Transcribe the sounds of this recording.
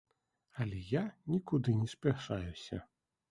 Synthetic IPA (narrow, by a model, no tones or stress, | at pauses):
ɐlʲɛjanʲikud̪ɨnʲɛsʲpʲaʂajusʲɐ̰